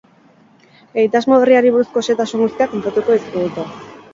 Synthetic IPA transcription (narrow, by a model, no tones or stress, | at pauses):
ejt̪azmo̞βeriaɾiβuɾusko̞set̪asuŋɡust̪iako̞mpɾat̪uko̞iskuðit̪o